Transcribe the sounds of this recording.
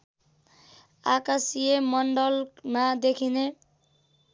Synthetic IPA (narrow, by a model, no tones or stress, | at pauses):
akasiemɔɳɖɔlmad̪ekʰine